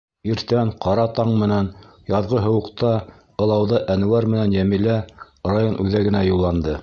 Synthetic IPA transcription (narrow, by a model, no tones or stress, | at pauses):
iɾt̪æɴqʰɑɾɑt̪ɑɴmɘ̆næn | jɑðʁɤɦɤ̆wɤ̆qt̪ɑ | ɤ̆lˠɑwðɑʔænɘ̆wæɾmɘ̆nænjæmilæ | rajonʔʉðæɡɘ̆næjulˠːɑnd̪ɤ